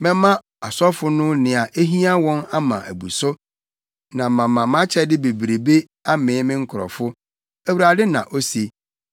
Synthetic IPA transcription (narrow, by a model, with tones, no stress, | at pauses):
mɛ̃˦mã˦ | a˨sɔ˦fʊ˦nʊ̃˦nɪ̃˨a˨ʔe˦ɦĩ˦a˦wɔ̃˦na˦mã̰˨ʔæ̰˨bu˨sʊ˦ | nã˨mã˨mã˨m˦ã˦t͡ɕʰɛ˦dɪ˦be˨bɾe˨be˦ | a˦mɪ̃ː˨˦mɪ̃˦ŋ̩˦kʰʊ˨ɾɔ̰˨fʊ˦ | æ˨wu˨ɾa˨dɪ˦nã̰˨ʔo˦se˨